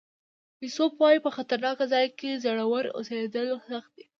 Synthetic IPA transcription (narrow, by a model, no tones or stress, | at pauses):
pisopwɑjipəxat̪aɾnɑkazɑjkezəɽawəɾo̰sed̪əlosaxt̪̚d̪e